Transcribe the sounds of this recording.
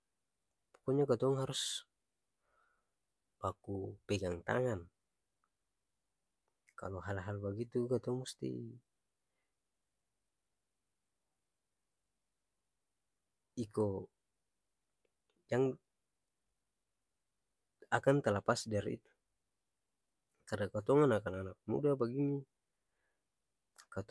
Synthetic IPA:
pɔ̥kɔɲaɡat̪ɔɔŋɦaɾus | pakupɛɡaŋt̪a̰ŋan | ka̰lɔɦalɦalbaɡit̪ukat̪ɔɔŋmust̪ḭ | ikɔ | d͡ʒaŋ | akant̪alapasdaɾḭḭt̪u̥ | kadakat̪ɔŋanakananak̚mṵdabaɡini | kat̪

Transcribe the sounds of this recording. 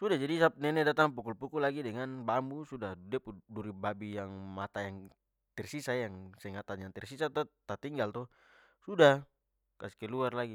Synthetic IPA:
sudad͡ʒadisap̚nɛnɛdat̪aŋp̬ukulpukulaɡidɛŋanbambusudaudɛpuduɾibabijaŋmat̪ajaŋ | t̪ɛrsisajaŋsɛŋat̪aɲaŋt̪ɛrsisat̪ɔt̪at̪iŋɡalt̪ɔ | suda | kasi̥kɛluarlaɡi

